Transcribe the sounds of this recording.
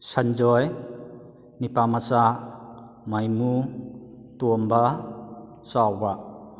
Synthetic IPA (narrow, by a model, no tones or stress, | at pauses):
sand͡ʒɔj | nipamasa | majmu | tuomba | sawba